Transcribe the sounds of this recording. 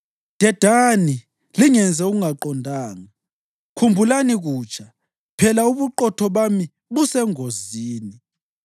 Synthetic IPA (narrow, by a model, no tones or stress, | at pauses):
d̥ʱɛd̥ʱani | liŋɛnd͡zʱɛuɣuŋaǃɔndʱaːŋa | kʰumbʱulaniɣuːt͡ʃʰʼa | pʰɛlauβuǃɔtʰɔβami | βusɛŋoziːni